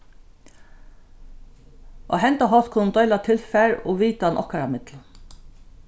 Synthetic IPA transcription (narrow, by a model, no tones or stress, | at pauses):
ʔo̰ɦɛnt̪aɦɔt̪̚kʰʊnnd̪œʏlat̪ʰɪlfæɹɔːʋiːt̪aɑnʔɔ̰hkaɾamɪt̪lə